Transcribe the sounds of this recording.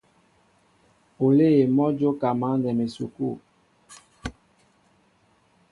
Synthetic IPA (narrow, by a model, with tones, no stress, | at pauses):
o˨le˦e˨mɔ˦d͡ʒo˦ka˨ma˨˦ndɛ˨me˨su˨ku˦˨